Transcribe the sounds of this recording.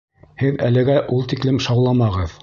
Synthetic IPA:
hɘðælɘ̆ɡæʔulˠt̪iklɘmʃɑwlˠɑmɑʁɤð

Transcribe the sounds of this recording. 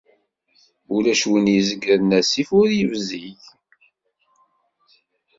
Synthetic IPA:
ulæʃwənjəzəɡəɾnæsifʊɾjəvziʝ

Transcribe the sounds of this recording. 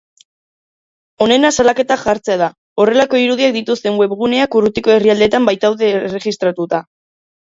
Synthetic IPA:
o̞ne̞nasalake̞t̪aʝaɾt͡se̞aða | o̞re̞lako̞iɾuðiak̚d̪it̪ust̪e̞nwe̞βɣune̞akurut̪iko̞e̞riald̪e̞t̪ambajt̪awðeːre̞ɣist̪ɾat̪ut̪a

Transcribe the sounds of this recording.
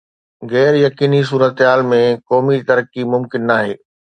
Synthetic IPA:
ɣɛːɾjɐkiːnis̬uːɾət̪ɦaːlmẽkɔːmit̪ɐɾəkimʊmkɪnːaːɦeː

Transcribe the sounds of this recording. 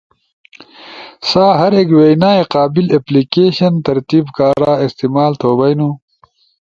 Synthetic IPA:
saːɦɐɾeːkweːjnaːeqaːbileplikeːɕɐnt̪ɐɾt̪iːbkaːɾaːist̪imaːlt̪ʰoːbɐjnu

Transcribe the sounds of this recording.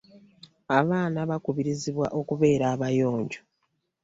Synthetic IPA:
aβaːnaβakuβiɾiziβwaʔo̞kuβe̞ːɾaːβajo̞ːɲɟo

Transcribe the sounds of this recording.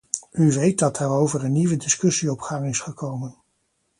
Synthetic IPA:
yʋejt̚dɑt̚daːɾowvərənːiʋədɪskɵsiɔpχaŋɪsχəkowmən

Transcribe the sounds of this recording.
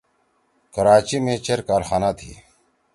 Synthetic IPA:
kəɾaːt͡ɕiːmẽːt͡ɕeɾkaːɾxaːnaːt̪ʰḭː

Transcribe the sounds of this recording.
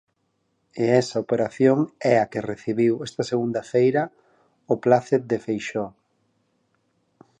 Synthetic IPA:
eɛsaopeɾaθjoŋɛakereθiβiwɛst̪ɐseɣund̪ɐfejɾɐ | ʊplaθed̪efejʃɔ

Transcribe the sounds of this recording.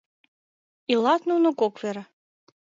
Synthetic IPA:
ilˠɑt̪nunokokveɾə

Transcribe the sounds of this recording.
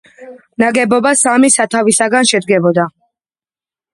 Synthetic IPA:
naɡɛbɔbasamisat̪ʰavisaɡanʃɛd̪ɡɛbɔd̪a

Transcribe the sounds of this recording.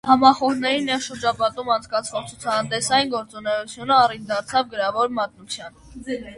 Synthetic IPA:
hɑmɑχɔɾnɛɾinːɛʁʃəɾd͡ʒɑpɑt̪umɑnt͡sʰkɑt͡sʰvɔʁt͡sʰut͡sʰɑnt̪ɛsɑjinɡɔɾt͡sunɛjut͡sʰjunəɑrind̪ɑɾt͡sʰɑvɡəɾɑvɔɾmɑt̪̚nut͡sʰjɑn

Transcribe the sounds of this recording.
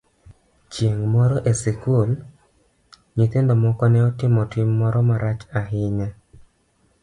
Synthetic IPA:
t͡ʃjeŋmɔɾɔʔesɪkul | ɲit̪endomɔkɔnɛɔtɪmɔtɪmːɔɾɔmaɾat͡ʃaɦɪɲa

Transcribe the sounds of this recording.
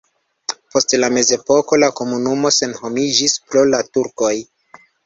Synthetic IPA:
po̞stlame̞ze̞po̞ko̞lako̞munumo̞se̞nho̞mid͡ʒispɾolatuɾko̞j

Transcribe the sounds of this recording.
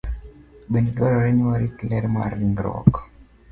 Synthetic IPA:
ɓeniɗwaɾɔɾɛɲiwaɾiklɛɾma̰ɾiŋɡɾɔ̰k

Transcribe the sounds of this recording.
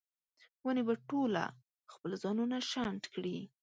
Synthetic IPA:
wənebaʈola̰ | xpəlzɑnunaʃant̪kɽi

